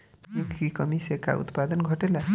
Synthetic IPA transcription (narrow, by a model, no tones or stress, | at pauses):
jikikʌmiseka̰ṵt̪pad̪ənɡʱʌʈela